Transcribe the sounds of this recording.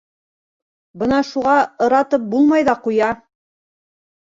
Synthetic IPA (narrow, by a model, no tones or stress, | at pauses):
bɤnɑʃuʁɑɤ̆ɾɑt̪ɤp̚bulˠmɑjðɑqujɑ